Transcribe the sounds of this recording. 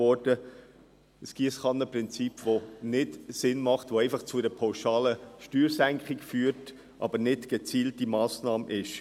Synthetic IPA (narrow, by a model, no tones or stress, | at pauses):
ɔɾd̥ə | əsɡ̥isχɑnəpʁɪnt͡sipvonɪtsɪnmɑχtʋoɛɪfɑχt͡sʊdɛpʰaʊʃɑːləʃtyːɾsæŋkχɪkfyːɾt | ʔɑ̰bənɪtɡ̥et͡siːltimɑːsnɑːmʔɪʃ